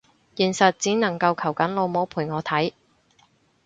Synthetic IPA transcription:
jiː˨˩nsɐ˨t̚t͡siː˨˥nɐ˨˩ŋkɐ˧wkʰɐ˨˩wkɐ˨˥nlo˨˧wmo˨˥wpʰuː˨˩jŋɔː˨˧t̪ʰɐ˨˥j

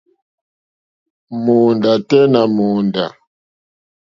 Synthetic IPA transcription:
mo˨nda˨tɛ˦na˨mo˨nda˨

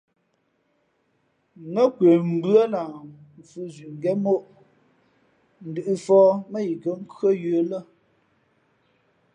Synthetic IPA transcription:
ŋə˦kwe˨m̩˨bɰə˦na˨ | fu˦zɥi˨ŋ˨ɡɛ˦mo˦ʔ | n̩˨dɨ˨ʔɨ˨fɔː˦mə˦i˨kə˨ŋ̩˦kɰə˦jəː˨˦lə˦

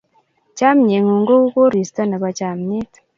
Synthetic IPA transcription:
caː˦mɲe˨ŋu˨ŋɡo˦u˦ko˦ɾi˨sta˦na˨βa˨ca˨mɲe˦t

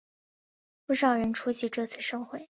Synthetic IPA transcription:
pu˥˩ʂɑ˥˨˩ʊɻə˧˥nʈ͡ʂʰu˥ɕi˧˥ʈ͡ʂɤ˥˧t͡sʰɹ̩˥˧ʂɤ˥˧ŋxwe˥˩ɪ

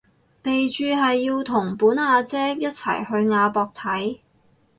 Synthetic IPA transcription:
te˨jt͡ʃyː˨˧ɦɐ˨jːiː˧wt̪ʰʊ˨˩ŋpuː˨˥nhaː˧t͡sɛː˥jɐ˥t̚t͡sʰɐ̰˨˩jhɵ˧ɥŋaː˧pɔː˧k̚t̪ʰɐ˨˥j

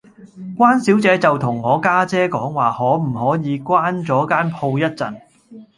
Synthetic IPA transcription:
kʷwaː˥nsiː˨˥wt͡sɛː˨˧t͡sɐ˨wt̪ʰʊ˨˩ŋːɔː˨˧kaː˥t͡sɛː˥kɔ̰ː˨˥ŋwaː˨hɔː˨˥m̩˨˩hɔː˨˥jiː˨˧kʷwaː˥nt͡sɔː˨˥kaː˥npʰo˧wjɐ˥t̚t͡sɐ̰˨˩n

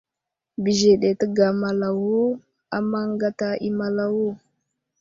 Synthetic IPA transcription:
bi˨ʒe˨ɗe˨tə˦ɡa˨ma˨la˨wu˦ | a˨ma˦ŋ˦ɡa˦ta˦i˦ma˦la˦wu˦

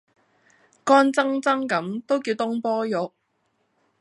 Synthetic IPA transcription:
kɔː˥nt͡sɐ˥ŋt͡sɐ˥ŋkɐ˨˥mt̪o˥wkiː˧wt̪ʊ˥ŋpɔː˥jʊ˨˥k̚

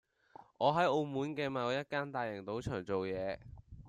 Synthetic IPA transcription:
ʔɔː˨˧ɦɐ˨˥jo˧wmuː˨˥nkɛː˧ma˨˧jjɐ˥t̚kaː˥nt̪aː˨˧jɐ˨˩ŋt̪o˨˥wt͡ʃʰœː˨˩ŋt͡so˨wjɛː˨˧

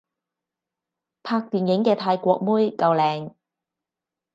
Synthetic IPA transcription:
pʰaː˧k̚t̪iː˨njɪ˨˥ŋkɛː˧t̪ʰaː˧jkʷɔː˧k̚muː˥jkɐ˧wlɛː˨˩ŋ

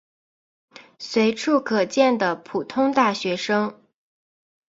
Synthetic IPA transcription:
swe˧˥ɪʈ͡ʂʰu˥˩kʰɤ˨˩t͡ɕjɛ˥˩nd̪ə˩pʰu˨˩t̪ʰʊ˥ŋt̪a˥˩ɕɥɛ˧˥ʂɤ˥ŋ

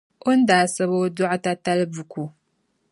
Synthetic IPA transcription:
o˦n˦daː˨sɨ˦βo˦dɔ˦ʔʊ˦ta˦ta˦lbu˨ku˨

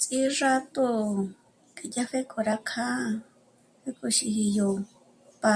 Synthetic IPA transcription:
t͡sʼi˦ʐa˦t̪o˦ | kʼe˨ja˦ɸe˦kʼo˨ɾa˧kʰa˦ | ɸe˦kʼo˧ʃi˧hi˧jo˨ | pa˧

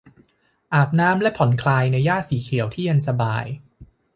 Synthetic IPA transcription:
ʔaː˨˩p̚naː˦˥mlɛ˦˥pʰɔ˩˦nkʰlaː˧jna˧jːaː˥˩t̪̚siː˩˦kʰi˨˩˦əwt̪ʰiː˥˩ja˧nsa˧ba̰ː˧j

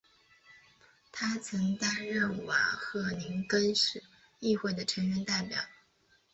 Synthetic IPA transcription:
t̪ʰa˥t͡sʰɤ˧˥ŋt̪a˥nɻə˥˩nwa̰˨˩xɤ˥˩li˧˥ŋkə˥nʂɻ̩˨˩ | i˥˧xwe˥˩ɪd̪ə˩ʈ͡ʂʰə˧˥ŋɥɛ˧˥nt̪a˥˩ɪpjɑ˨˩˦ʊ

